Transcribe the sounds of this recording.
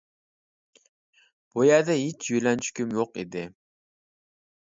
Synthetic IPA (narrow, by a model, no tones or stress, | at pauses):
b̥ujad̪ɛit͡ʃjyjlɛnt͡ʃʰy̥kʲymjoqḭd̪ɪ